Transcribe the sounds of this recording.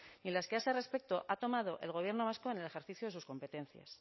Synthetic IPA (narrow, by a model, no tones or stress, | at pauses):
nilaskeaesere̞spe̞k̚t̪o̞ʔat̪o̞mað̞o̞ʔe̞̰lɣ̞o̞β̞je̞ɾno̞β̞askoene̞lexe̞ɾθiθjoðe̞susko̞mpe̞t̪e̞nθja̰s